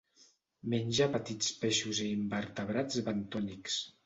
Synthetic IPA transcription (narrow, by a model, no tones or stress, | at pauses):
menʲʒapət̪it͡speʃuzeimbəɾt̪əβɾad͡zβənt̪ɔniks